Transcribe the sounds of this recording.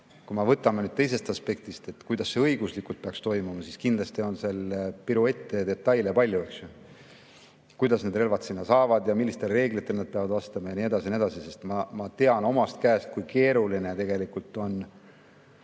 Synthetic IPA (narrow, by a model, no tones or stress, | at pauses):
kumɑvɤt̪ːˑɑmenyd̪̥̚t̪ejs̬e̞st̪ɑspe̞k̚t̪ist̪e̞t̪ːkujd̪̥ɑsːeɤ̞jɡ̥uslikult̪̚peɑkst̪o̞jmumɑsiskind̪lɑst̪io̞nse̞lepiɾue̞t̪ːˑed̪e̞t̪ːˑɑjlepɑlʲjueksju | kujd̪̥ɑsne̞d̪re̞lvɑt̪sinːɑsɑːvɑd̪jɑmilːist̪e̞lre̞ːɡlit̪ːˑe̞lnɑd̪̚pe̞ɑvɑd̪vɑst̪ɑmɑjɑnie̞d̪̥ɑsinie̞d̪̥ɑsise̞st̪mɑmɑt̪e̞ɑno̞mɑst̪kæːst̪̚kujke̞ːɾuline̞t̪e̞ɡe̞likult̪ˑːo̞n